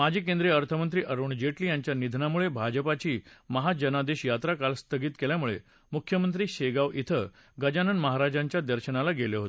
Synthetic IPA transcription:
mad͡ʑʱiːkend̪ɾeəɾt̪ʰəmənt̪ɾiːʔəɾuɳd͡ʑeʈliːjaɲt͡ɕjanid̪ʱnamuɭebʱad͡ʑəpat͡ɕiːməɦad͡ʑənad̪eɕjat̪ɾakalst̪ʰəɡiːt̪keljamuɭḛ | mukʰjəmənt̪ɾiːɕeɡaʋʔit̪ʰə | ɡəd͡ʑanənməɦaɾad͡ʑãɲt͡ɕjad̪əɾɕənalaɡeleɦot̪

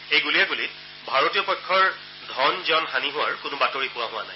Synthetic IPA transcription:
ejɡulijaɡulit | bʱaɹotijɔpɔjkʰːɔɹ | dʱɔnziɔnɦaniɦʊwaɹkʊnʊbatoɹipʊwaɦʊanaj

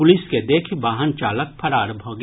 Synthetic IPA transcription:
ʊlɪsked̪eːkʰbaːɦənt͡ʃaːlək̚pʰɐɾaːɾəbʱoːɡ

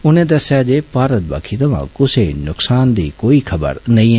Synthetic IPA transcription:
ʊnẽːd̪əsjaːd͡ʒeːpaːɾət̪̚ba̰ːkʰiːt̪əʋã̰ːkʊseːnʊksaːnd̪ḭːkoːiːkʰəbə̰ɾnəĩːɛ

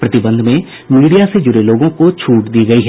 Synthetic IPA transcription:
pɾɐt̪ɪbə̃nd̪ʱmẽ | miːɽijased͡ʒʊɾeloːɡõkot͡ʃʰuːʈd̪iːɡɐiɦɛː

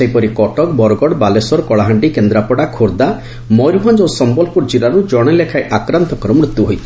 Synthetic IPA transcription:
ejpɔɾikɔʈɔk̚bɔɾɔɡɔɽbalesɔɾɔkɔɭaɦaɳɖikend̪ɾapɔɽakʰoɾd̪a | mɔjɾuɦand͡ʒosɔmbɔlpuɾd͡ʒiɾaɾud͡ʒɔɽ̃elekʰaeʔakɾant̪ɔkɔɾɔmɾut̪juɦojt͡ʃʰi̥

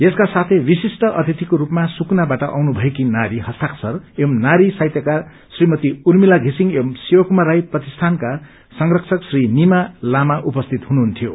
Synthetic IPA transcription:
jeskasat̪ʰebisisʈʌʔʌt̪ʰit̪ikoɾupmasuknabaʈʌʔa̰wnubʱʌekinaɾihʌst̪ʰaksʌremnaɾisajt̪jʌka | srimʌt̪iurmilaɡʱisiŋemsiwʌkumaɾajprʌt̪ist̪ʰanka | sʌŋrʌkt͡sʰʌksrinimalamaʔupʌst̪ʰit̪ɦunuɦunt̪ʰijo

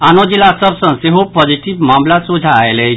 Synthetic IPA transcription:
anod͡ʒilasəbsə̃nseɦopɔd͡ʒiʈiʋmamlasudʱaːjele

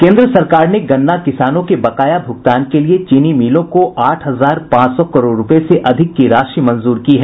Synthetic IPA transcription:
kẽːnd̪ɾəsɐɾkaːɾneɡɐnːakɪsaːnõkebɐkaːjabʱʊɡ̚t̪aːnkeliet͡ʃiːnimiːlõkoʔaːʈʰɦɐzaːɾpãːt͡ʃsɔkɐɾoːɖːʊpeseʔɐd̪ʱɪkːiɾaːʃimɐ̃nzuːɾkiɦɛː

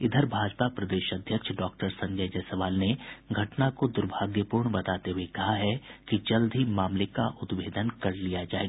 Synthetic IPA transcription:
ɪd̪ʱəɾbʱaːd͡ʒpapɾɐd̪eːʃɐd̪ʱjəkʃɖɔːkʈəɾsɐ̃ɲd͡ʒəjd͡ʒɐsɐʋaːlneɡʱɐʈnakod̪ʊɾbʱaːɡjəpuːɾɳbɐt̪aːt̪eɦuekɐɦaɦɛkid͡ʒɐld̪ʱimaːmlekaʔʊd̪ʋeːd̪ənkɐɾlijad͡ʒaːeːɡa

